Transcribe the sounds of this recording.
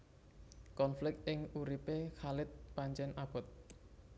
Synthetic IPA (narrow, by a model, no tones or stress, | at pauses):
kɔnflɪk̚t̪̚ɪŋuɾipekalɪt̪̚paɲt͡ʃɛnab̥ɔ̤t̪̚